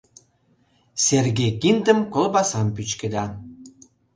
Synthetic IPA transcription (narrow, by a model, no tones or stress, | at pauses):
sʲerɡejkind̪ə̆mkolbɑsɑmpyt͡ɕkɘ̆d̪ɑn